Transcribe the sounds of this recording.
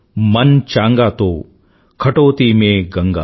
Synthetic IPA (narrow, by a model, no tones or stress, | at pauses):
mɐnt͡ʃaːŋɡaːt̪oː | kʰɐʈoːt̪iːmeːɡɐŋɡa̰ː